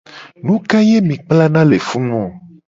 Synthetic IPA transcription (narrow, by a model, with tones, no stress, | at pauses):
nũ˦ka˦je˦mĩ˨k͡pla˦nã˦le˨fu˦nũ˦ɔ̃˨